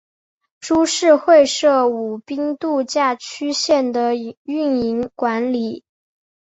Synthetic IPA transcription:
ʈ͡ʂu˥ʂɻ̩˥˧xwe˥˧ɪʂɤ˥˩u˨˩pi˥ŋt̪u˥˧t͡ɕja˥˩t͡ɕʰy˥ɕjɛ˥˩nd̪ə˩y˥˩ni˧˥ŋkwa˧˥nli˨˩˦

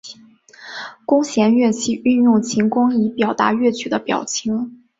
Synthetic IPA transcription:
kʊ˥ŋɕjɛ˧˥nɥɛ˥˧t͡ɕʰi˥˧y˥˧njʊ˥˩ŋt͡ɕʰi˧˥ŋkʊ˥ŋi˧˥pjɑ˨˩ʊt̪a̰˧˥ɥɛ˥˩t͡ɕʰy˨˩d̪ə˦pjɑ̰˨˩ʊt͡ɕʰi˧˥ŋ

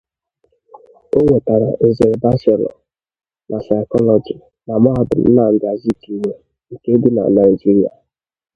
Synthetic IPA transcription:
o˦ŋʷe˨ta˨ɾa̰˨ʔe˨ze˨ba˦se˨lɔ̰˨ | nʔa˨sa˨ɪ˨kɔ˦lɔ˨d͡ʒi˨ | na˨ma˦˨dʊ̰˨n̩˦na˦˨ŋ̩˦ɡa˨zi˦ki˨me˦ | ŋ̩˨ke˦du˦na̰˨na˨ɪ˨d͡ʒi˦ɾi˦a̰˨

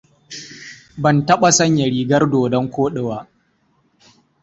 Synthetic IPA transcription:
bɐ˨ntɐ˦ɓa˨sɐ˦ɲjɐ˨ɽiː˨ɡɐ˦rdoː˨dɔ˦ŋkʷoː˦ɗɪ˨waː˦

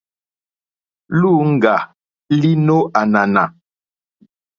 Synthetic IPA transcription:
lu˦˨ŋ̩˦˨ɡa˨ | li˦no˦ʔa˨na˨na˨

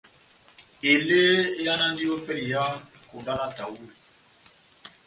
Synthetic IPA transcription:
e˨le˦ja˦na˦ndi˦o˦pɛ˦li˨ja˦ | ko˨nda˦na˦ta˨wu˦˨

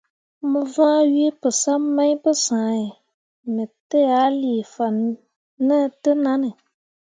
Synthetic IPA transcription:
mə˨vãː˦ɥi˦e˦pɨ˨sa˦ma˦ɲ˦bɨ˦sãː˨˦j | mə˨tə˦ja˨˦li˨fa˨n | nə˦˨tɨ˦na˦nɨ˨

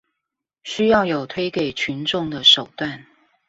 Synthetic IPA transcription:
ɕy˥jɑ˥˩ʊjo˨˩ʊt̪ʰwe˥ɪke˨˩ɪt͡ɕʰy˧˦nʈ͡ʂʊ˥˩ŋd̪ə˨˩ʂo˨˩ʊt̪wa˥˩n

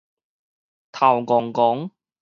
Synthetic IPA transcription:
t̪ʰɐ˨˩wkɔː˨˩ŋkɔː˨˥ŋ

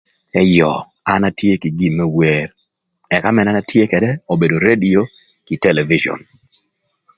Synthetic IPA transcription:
ɛ˦jɔ˨ | a˨˦na˦tje˦ki˨ɡi˦˨mːɛ˦we˨r | ɛ˨ka˦mɛ˨na˦na˦tje˦kɛ˨dɛ˦o˨be˨do˨ɾe˦dio˦ | ki˨tɛ˦lɛ˨vi˦d͡ʒɔ̰˨n

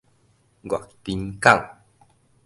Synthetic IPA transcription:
ɡʷa̰˨ʔt̪i˨˦nka˦˨w

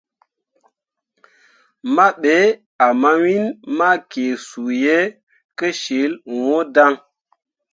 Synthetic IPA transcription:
ma˦ɓe˨˦ | a˨ma˦wi˦nma˦ke˨su˨je˦ | kə˦ʃe˨˦lwo˦da˦ŋ

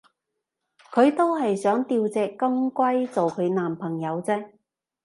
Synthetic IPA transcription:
kʰɵ˨˧ɥt̪o˥whɐ˨jsœː˨˥ŋt̪iː˧wt͡sɛː˨˧kːɐ˥ŋkʷɐ˥jt͡so˨wkʰɵ˨˧ɥnaː˨mpʰɐ˨˩ŋjɐ˨˧wt͡sɛː˥

